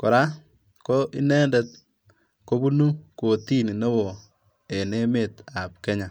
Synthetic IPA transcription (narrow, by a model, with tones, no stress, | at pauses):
ko˨ɾa˦ | ko˦ʔi˦nɛ˦ndɛ˨t̚ | ko˦bu˦nu˦ko˨ti˦ni˨ne˦wɔ˨ | e˨ne˦me˨ta˨p̚kɛ˦ɲa˨